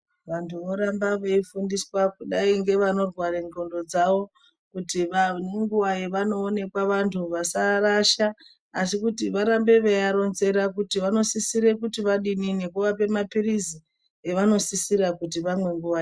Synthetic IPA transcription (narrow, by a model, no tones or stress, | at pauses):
ʋantʰuʋo̞ɾambaʋeifundiswakuɗaiŋɡe̞ʋano̞rwareŋɡo̞ndo̞d͡zaʋo̞ | kutiʋaneŋɡuʋajeʋano̞ːne̞kwaʋantʰuʋasaraʃaː | sikutiʋaɾambe̞ʋeaɾo̞nze̞ɾakutiʋano̞sisiɾe̞kutiʋaɗinine̞kuʋape̞mapirizi | eʋano̞sisirakutiʋamwe̞ŋɡuʋae